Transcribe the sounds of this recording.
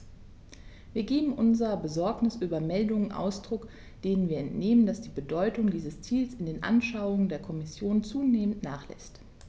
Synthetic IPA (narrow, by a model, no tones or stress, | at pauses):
viːɐɡeːbm̩ʔʊnzɐʁɐbəzɔɐknɪsʔyːbɐmɛldʊŋənʔa̰ʊsd̥ʁʊk | d̥eːnənviːɐɛntneːməndasd̥iːbədɔʏtʊŋdiːzəst͡siːlsɪndeːnʔa̰nʃaʊʊŋəndeːɐkʰɔmɪsjoːnt͡suːneːməntnaːχlɛ̰st